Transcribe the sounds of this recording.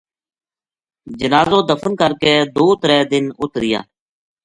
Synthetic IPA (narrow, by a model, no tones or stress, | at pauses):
d͡ʒənaːzõːd̪əfʰənkəɾkeːd̪oːt̪əɾɛːd̪ɪnʊt̪ɾɪja̰ː